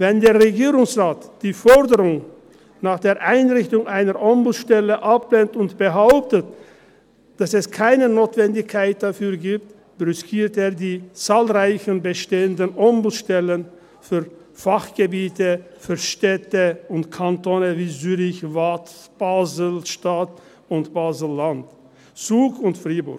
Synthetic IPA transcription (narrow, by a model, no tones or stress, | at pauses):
vɛndeːɐʁeɡiːʁʊŋsʁaːtd̥iːfɔʁdəʁʊŋ | naːχd̥eːɐʔaɪnʁɪçtʊŋʔaɪnəʁʔɔmbl̩ʃtɛləʔap̚leːntʊntb̥əɦaʊp̚tət | d̥asɛskʰaɪnənoːtv̥ɛndɪçkʰːaɪt̚d̥afyːɐɡiːp̚t | b̥ʁʏskʰiːɐteːɐdiːt͡saːlʁaɪçənbəʃteːəndənʔɔmbʃtɛlən | fyːɐ | faχɡ̥əbiːtəfyːɐʃtɛtəʊntkʰantoːnəviːzyːʁɪçvatb̥aːzlʃtat | ʊntb̥aːzl̩ːant | t͡suːkʊntfʁiːbʊɐ